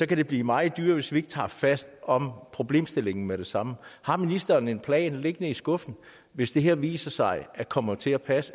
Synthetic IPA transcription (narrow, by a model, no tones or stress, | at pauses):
sɒ̽kʰæɾ̥e̝b̥liːmɑ̈ɪð̩ˠd̥yːɐʋe̝sʋie̝ɡ̥ə̥t͡sʰɑ̰̈ːfæsd̥ɒ̽mpʰʁo̝b̥le̝̰ːmsd̥e̝le̝ŋn̩meɾe̝sɑ̈məhɑ̈minisd̥ɐːne̝npʰlɛ̰ːnle̝ɡ̥ənəisɡ̥ɔ̽fn̩ | ʋe̝sd̥e̝ɦeɐ̰ʋḭːsɐsɑ̈ɪækʰɒ̽mɐt͡sʰe̝æpʰæs